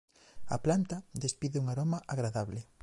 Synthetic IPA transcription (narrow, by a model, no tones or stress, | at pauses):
a̰plant̪ɐðespiðɪuŋaɾomaʔaɣɾaðaβlɪ